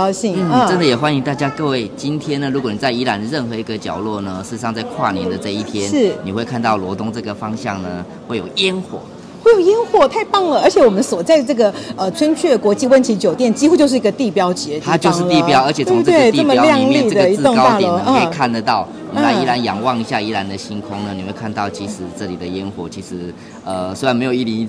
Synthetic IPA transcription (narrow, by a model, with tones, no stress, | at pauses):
ʊɕi˥˩ŋ̩˥˩˥t͡sə˦nd̪ə˨jɛ˨˩xwa˦ni˧˥ŋt̪a˥˩t͡ɕja˥kɤ˥˧we˥˩ɪt͡ɕi˦nt̪ʰjɛ˥nːə˨ɻu˧˥kwɔ˨˩ni˨˩t͡sa˥˩ɪi˧˥la˧˦nə˧ɻə˥˩nxɤ˧˥i˧ɡə˧t͡ɕjɑ̰˨˩ʊlwɔ˥˩nə˩ʂɻ̩˥˩˧ɑ˥˧ŋt͡sa˥˧ɪkʰwa̰˥˧njɛ̰˨˩nd̪ə˨ʈ͡ʂɤ˥˧i˥˩t̪ʰjɛ˦n̩˥˩ni˨˩we˥˧ɪkʰa˥˧nt̪ɑ˥˩ʊlwɔ˧˥t̪ʊ˥ŋt͡sɤ˥˩ɡə˩fɑ˥ŋɕjɑ̰˥˩ŋnə̰˩ | we˥˩ɪjo˨˩ʊɛ˦nxwɔ̰˨˩˦ | xwe˥˩ɪjo˨˩ʊjɛ˥nxwɔ˨˩t̪ʰa˥˩ɪpɑ˥˩ŋlə˨ə˞˧˥t͡ɕʰjɛ˨˦wɔ˨˩mə˦nswɔ˨˩t͡sa˥˧ɪʈ͡ʂɤ˥˩ɡə˩ə˧˩t͡sʰwə˥nt͡ɕʰɥɛ˥˩kwɔ˧˥t͡ɕi˥˧wə˥nt͡ɕʰi˧˥t͡ɕjo˨˩ʊt̪jɛ˥˩nt͡ɕi˥xu˧˥t͡ɕjo˥˧ʊʂ̬̩˥˩i˧ɡə˧t̪i˥˩pjɑ˥ʊt͡ɕjɛ˧˥t͡ɕ̪ʰa˥t͡ɕjo˥˧˥ʂŋ̩li˥˩˧pjɑ˥˦ʊə˞˧˥t͡ɕʰjɛ˨˩˥we˥˩ɪt̪iə˩˥˩mə˧˦ljɑ˥˧ŋli˥˩əd̪ə˩ə˨˩i˧˥ʊ˥˧ŋ˥˦a˥˩lɔ˧˦˧ə˥˧˥kʰa˥˩nd̪ə˩t̪ɑ˥˩ʊ | ni˨˥a˥˧˩i˥la˧˦njɑ̰˨˩ŋwɑ˥˧ŋi˧˥ɕja˥˧i˧˥la˧˦nd̪ə˨ɕi˥nkʰʊ˥ŋnə˨ni˨˩xwe˥˧ɪkʰa˥˧nt̪ɑ˥˨˩ʊt͡ɕi˧˥ʂɻ̩˨˩ʈ͡ʂɤ˥˩li˨˩d̪ə˦jɛ˦˥nxwɔ̰˨˩t͡ɕʰi˧˥ʂɻ̩˧˦ | ə˩swe˥ɻa˧˥nme˧˥ɪjo˨˩i˥˩li˧˦˧